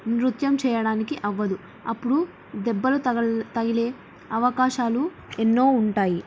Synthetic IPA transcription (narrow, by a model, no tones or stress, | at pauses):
nɾut̪jɐmt͡ʃɛːjɐɽaːnikiʔɐʋːɐd̪u | ɐpːuɽu | d̪ɛbːɐlut̪ɐɡile̞ː | ɐʋɐkaːʃaːlu | enːo̞ːuɳʈaːji